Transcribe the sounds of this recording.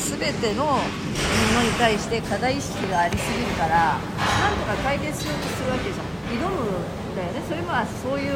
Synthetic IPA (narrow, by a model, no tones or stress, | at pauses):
sɨbe̞t̪e̞no̞ | mĩno̞ɲ̟it̪aiɕi̥t̪e̞kad̪aiɕi̥kkʲiɡaːɾʲisɨɡʲiɾɯ̟kaɾa | nãnt̪o̞kakait̪e̞sɨot̪osɨɾɯ̟β̞ake̞d̪eʑã | id̪o̞mɯ̟ | nd̪ajone̞so̞ɾe̞maaso̞ːjɯ̟ː